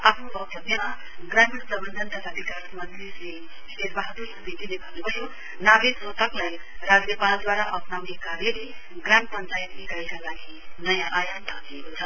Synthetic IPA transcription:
apʰnobʌk̚t̪ʌbjʌma | ɡramiɾpʌbʌnd̪ʱʌnt̪ʌt̪ʰabikasmʌd̪isle | seɾbaɦt̪u | bid̪ilebʱʌnnepʌsʰo | nabessot̪ʌklaj | ɾad͡znepald̪waɾaʔʌpnawnekaɾjele | ɡrampʌnt͡sajt̪nikaikalaɡi | nʌjãʔajant̪ʌt̪iekot͡sʰʌ

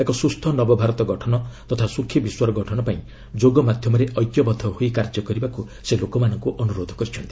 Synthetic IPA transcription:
ekɔsust̪ʰɔnɔbɔbʱaɾɔt̪ɔɡɔʈʰɔnɔt̪ɔt̪ʰasukʰːjibiswaɾɔɡɔʈʰɔnɔpaĩ | d͡ʒoɡɔmad̪ʱjɔmɔɾeʔɔjt̪jɔbɔt̪ʰɔhoikaɾd͡ʒɔkɔɾibaku | selokɔmanɔŋkuʔɔnuɾod̪ʱɔ̥kɔɾit͡ʃʰɔnt̪ii̥

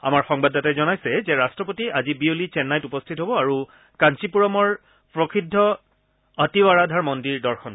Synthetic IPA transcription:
a̰maɹxɔŋbadatajzɔnajsɛzɛɹastɹɔpotiazibiolit͡ʃɛnːajtupɔstʰitɦobɔaɹu | kant͡ʃipuɹɔmɔɹ | pɹɔkʰidʱːɔ | atiwaɹadʱaɹmɔndiɹdɔɹxʰɔn

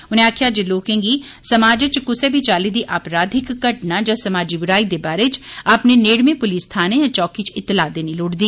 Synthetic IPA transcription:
ʊnẽaːkʰjaːd͡ʒeloːkẽːŋɡiːsɐmaːd͡ʒət͡ʃkʊsebʱit͡ʃaːlid̪iʔaːpɾaːd̪ʱɪkːəʈnad͡ʒasɐmaːd͡ʒibɪɾaːid̪ebaːɾet͡ʃaːpneneːɽmẽpʊliːst̪ʰaːnẽjãt͡ʃɔːkit͡ʃɪt̪ːɪlaːd̪eːniloːɽd̪iː

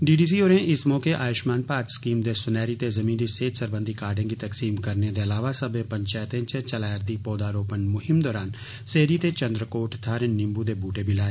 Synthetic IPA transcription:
ɖiːɖiːs̬ioːɾẽʔɪsmɔːkeʔaːjʊʃmaːnpaːt̪skiːmd̪esʊnɛːɾit̪ezɐmĩːnd̪iseːt̪səɾbə̃nd̪ʱikaːɾɖẽːkit̪ɐksiːmkɐɾned̪eɐlaːʋasɐbẽpɐ̃ɲt͡ʃaːjt̪ẽt͡ʃẽt͡ʃɐlaːjəɾd̪ipɔːd̪aːɾoːpənmʊɦɪmd̪ɔːɾaːn | seːɾit̪et͡ʃɐ̃nd̪ɾəkoːʈt̪ʰaːɾẽnːɪ̃mbud̪ebʱuːʈebʱilaːe

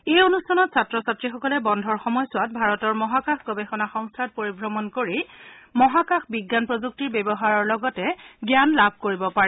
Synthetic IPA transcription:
ejonustʰanɔtsatɹɔsatɹixɔkɔlɛbɔndʱɔɹxɔmɔjsʊwat̚bʱaɹɔtɔɹmɔɦakaxɡɔbexɔnaxɔŋstʰat̚poɹibɹɔmɔnkoɹimɔɦakaxbiɡːanpɹɔzuk̚tiɹbebɔɦaɹɔɹlɔɡɔtɛɡjanlabʱkoɹibɔpaɹɛ

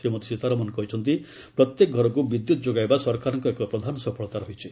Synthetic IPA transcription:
ɾimɔt̪e̥sit̪aɾɔmɔnɔkɔɦit͡ʃʰɔnt̪i | pɾɔt̪jek̚ɡʱɔɾɔkubid̪jut̪ɔd͡ʒoɡajbasɔɾkaɾɔŋkɔekɔpɾɔd̪ʱanɔsɔpʰɔɭɔt̪aɾɔɦit͡ʃʰi

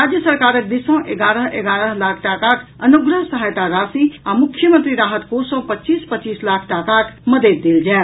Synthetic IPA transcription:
ɾad͡ʒjəsəɾkaɾəkd̪isə̃ʔeɡaɾəɦʔeɡaːɾəɦlakʰʈakakənuɡɾəɦsəɦajt̪aɾasiamʊkʰjəmənt̪ɾiɾaːɦət̪kosɔ̃pətːt͡ʃiːspətːt͡ʃiːslakʰʈakakməd̪ed̪d̪ːeld͡ʒae

